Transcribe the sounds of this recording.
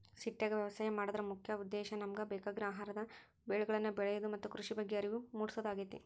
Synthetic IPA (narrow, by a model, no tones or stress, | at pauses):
siʈːjaːɡɐʋjɐʋɐsaːjɐmaːɽɔd̪ɐɾɐmukʰjɐud̪ːɛːʃɐnɐmɐɡɐbɛːkaɡiɾaːɦaːɾɐd̪ɐ | beːɭuɡɐɭɐnːubɛɭɛjod̪umɐt̪ːukɾuʂibɐɡːeɐɾiʋumuːɽisɐd̪aːɡit̪ːi